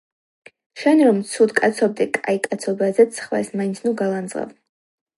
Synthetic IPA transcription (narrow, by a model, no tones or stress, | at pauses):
ʃɛnɾɔmt̪sʰud̪kʼat̪sʰɔb̚d̪ɛkʼaikʼat̪sʰɔbazɛt̪sʰχwɛ̰smaint̪sʰnuɡalˠand̪zʁa̰v